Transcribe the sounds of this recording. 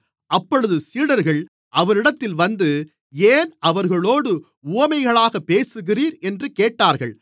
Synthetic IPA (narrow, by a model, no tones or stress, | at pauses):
ɐpːɔɻɯðɯsiːɽɐɾɣɐɭ | ʔɐʋɐɾɪɽɐt̪ːɪlʋɐnd̪ɯ | eːnɐʋɐɾɣɐɭoːɽɯ | uːɐmɐɪɣɐɭaːɣɐpːeːsɯɣɪriːɾɛndrɯkeːʈːaːɾɣɐɭ